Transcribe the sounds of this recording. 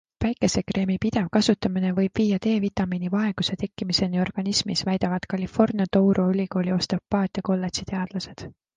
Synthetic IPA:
væjkːˑe̞sekre̞ːmipid̪̥e̞vkɑsut̪ːˑɑmine̞vɤjb̥viːjɑt̪e̞ːvit̪ːˑɑminivɑe̞ɡ̥use̞t̪e̞kːimise̞nio̞rɡ̥ɑnismisvæjd̪̥ɑvɑd̪̥kɑlʲifo̞rnijɑt̪owɾʔuylʲiko̞ːlʲio̞st̪ɑpːɑːt̪ʲˑjɑko̞lːe̞t̪sit̪e̞ɑd̪̥lɑse̞d̪̥

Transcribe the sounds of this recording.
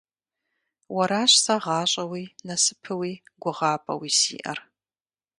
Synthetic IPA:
wɐɾaːɕsɐʁɑːɕʼɐwiːnɐsɨpʰɨwiːɡʷʊʁɑːpʼɐ̰wiːsḭːʔɐ̰r

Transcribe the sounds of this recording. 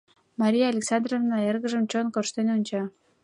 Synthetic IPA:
mɑɾʲijɑːlʲeksɑnd̪rovnɑerɣə̆ʒəmt͡ɕonkoʃt̪enunʲt͡ɕɑ

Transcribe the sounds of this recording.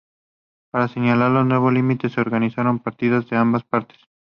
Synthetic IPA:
paɾaseɲalaɾloznwe̞βolimit̪eseoɾɣanisaɾompaɾt̪iðazðeambaspaɾt̪e̥s

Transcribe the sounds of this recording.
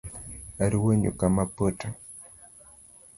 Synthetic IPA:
aɾiweɲṵkamapəta

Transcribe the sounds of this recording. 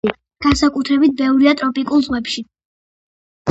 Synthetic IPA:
ɡ̥ansakʼut̪ʰɾɛbit̪̚bɛvɾiat̪ʼɾɔpʼikʼulˠzʁwɛpʃi

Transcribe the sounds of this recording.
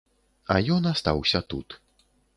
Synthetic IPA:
ajɔnast̪a̰wsʲɐt̪ut̪

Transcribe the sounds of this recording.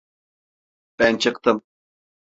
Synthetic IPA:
b̥ɛnt͡ʃʰɨq̚t̪əm

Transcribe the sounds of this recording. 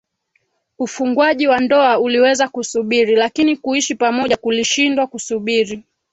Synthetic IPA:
ufuŋɡwaʄiwandɔauliwɛzakusuɓiɾilakinikuiʃipamɔʄakuliʃindwakusuɓiɾi

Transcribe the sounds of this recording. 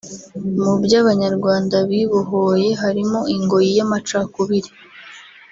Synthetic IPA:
mubjaːβaɲaɾɡwaːndaβiβoɦoje̞ɦaɾimo̞iŋɡo̞jijamat͡ʃakuβiɾi

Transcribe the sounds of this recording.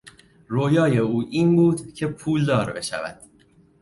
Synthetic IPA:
ɾojɒːje̞uːʔiːnbuːd̪cʰe̞pʰuːld̪ɒːɾbe̞ʃæ̰væ̰d̪̥

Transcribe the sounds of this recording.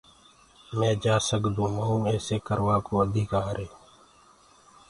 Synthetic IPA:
mɛ̃ːd͡ʒaːsəkd̪ũːmaːũːeːseːkəɾʋaːkoːəd̪ʱiːkaːɾeː

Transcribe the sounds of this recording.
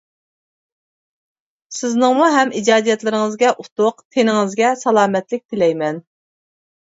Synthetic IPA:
sɪznɨŋmuɦɛmid͡ʒɑːd̪ijɛt̪lɪɾɪŋɨzɡʲɛʔut̪ʊqt̪ʰenɪŋɪzɡʲɛsɑlˠɑːmɛt̪lɪk̚ʲt̪ʰɪlɛjmɛn

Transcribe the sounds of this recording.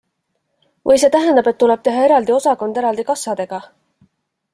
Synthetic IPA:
vɤjse̞ːt̪æɦend̪ɑbe̞t̪ːuleb̥̚t̪e̞ɦɑe̞ɾɑld̪io̞sɑko̞nd̪̥e̞ɾɑld̪ikɑsːɑd̪̥e̞ɡ̥ɑ

